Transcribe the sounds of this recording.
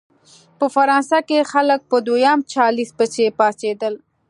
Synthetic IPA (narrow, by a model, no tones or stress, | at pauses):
pəfaɾɑːnsakexalək̚pəd̪ojɑmt͡ʃɑlisbət͡ʃepɑsed̪əl